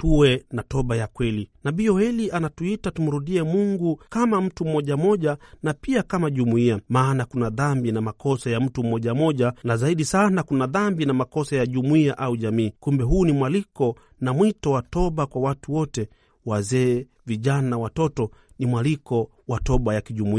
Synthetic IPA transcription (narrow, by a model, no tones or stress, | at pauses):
tuwɛnatɔɓajakwɛlinaɓiɔhɛliʔanatuitatum̩ɾuɗiɛmuŋɡukamam̩tum̩mɔʄamɔʄanapiakamaʄumuiamaːnakunaðambinamakɔsajam̩tum̩mɔʄamɔʄanazaiɗisanakunaðambinamakɔsajaʄumuiaʔauʄamiːkumbɛɦuːnimwalikɔ | namwitɔwatɔɓakwawatuwɔtɛ | wazɛː | viʄanawatɔtɔ | nimwalikɔ | watɔɓajakiʄumui